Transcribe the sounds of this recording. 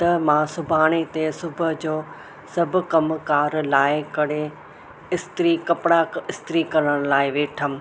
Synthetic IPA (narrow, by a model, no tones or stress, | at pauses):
t̪ɐmãːsʊbʱaːɽ̃et̪esʊbʱəd͡ʑoː | sɐbʱʊkɐmkaːɾlaːɪkɐɽ̤e | ɪst̪ɾikɐpɪɽaɪst̪ɾikɐɾəɽ̃laːɪʋeːʈʰəm̆